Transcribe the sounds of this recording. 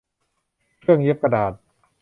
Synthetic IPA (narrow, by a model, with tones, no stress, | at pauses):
kʰɯ˥˩əŋji˦˥p̚ka˧daː˨˩t̪̚